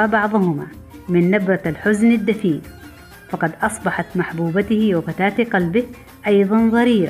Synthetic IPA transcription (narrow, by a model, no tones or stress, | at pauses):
abɑʕðˤʊhʊma̰ːmɪnːabɾɑalħʊznad̪ːafiːl | fɑqɑd̪ʔɑsˤbɑħɑt̪maħbuːbat̪ɪhɪwɪfat̪aːt̪qɑlbɪh | ʔɑjðˤɑnðˤɑɾiːɾ̰